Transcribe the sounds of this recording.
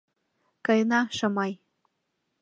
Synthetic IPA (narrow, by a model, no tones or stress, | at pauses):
kɤjnɑʃɤmɑj